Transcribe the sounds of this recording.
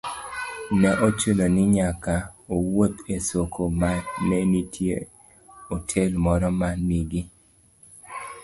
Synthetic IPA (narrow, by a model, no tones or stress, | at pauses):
nɛʔot͡ʃunonɪɲakaowot̪esokʰomanenitʰjḛ | otʰelmɔɾɔmaniɡɪ